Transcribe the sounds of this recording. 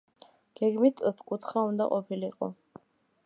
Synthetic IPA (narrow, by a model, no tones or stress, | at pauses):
ɡ̥ɛɡmit̪ʰʼt̪ʰkʼut̪ʰχaund̪a̰qʼɔpʰiliiqʼɔ̰